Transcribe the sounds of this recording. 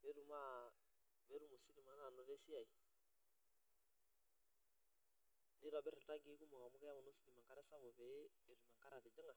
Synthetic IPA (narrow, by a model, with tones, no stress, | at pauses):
bɛ˨˦ɾu˨ma˦ | bɛ˨˦ɾu˦mo˨si˦ɾi˨ma˨na˨nɔ˨ɾɛ˦si˦a˨i˨ | ni˦ɾa˨bɛ˦ɾɛ˨ta˦ɡe˦ku˦mɔ˨ka˨mu˦kɛ˦ja˦u˨˦no˦si˦li˨ma˨ŋka˦ɾɛ˦sa˦ɣɔ˨βɛː˨˦˨ɾu˨ma˨ŋka˦ɾa˨ɾɛ˨d͡ʒa˦ŋa˨